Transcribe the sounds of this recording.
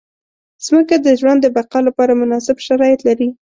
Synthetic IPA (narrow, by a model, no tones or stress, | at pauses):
z̥məkad̪əʒwand̪ːəbaqɑlapɑɾamʊnɑsɪbʃaɾɑjɪt̪laɾi